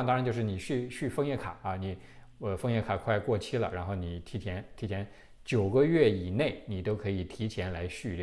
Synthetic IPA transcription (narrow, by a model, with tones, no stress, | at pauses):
ŋt̪ŋɻt͡ɕo˥˧ʂɻ̩˥˩ni˨˩ɕy˥˧ɕy˥˧fɤ˥˧ŋjɛ˥˩kʰa˨˩˦ɐ˧˩ni˨˩ | ə˧fɤ˥ŋjɛ˥˩kʰa˨˩kʰwa˥˧ɪkwɔ˥˩t͡ɕʰi˥lə̰˨ɻa˧˥nxo˥˩ʊni˨˩t̪ʰi˧˥t͡ɕʰjɛ˧˥nt̪ʰi˧˥t͡ɕʰjɛ˧˥n | t͡ɕjo˨˩ʊɡə˦ɥɛ˥˩i˨˩ne˥˩ɪni˨˩t̪o˥ʊkʰɤ˧˥i˨˩t̪ʰi˧˥t͡ɕʰjɛ˧˥nla˧˥ɪɕy˥˧l